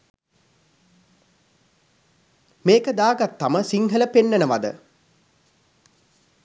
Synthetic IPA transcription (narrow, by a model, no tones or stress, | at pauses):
meːkəd̪aːɡat̪ːaməsiŋɦələpenːənəʋad̪ə̰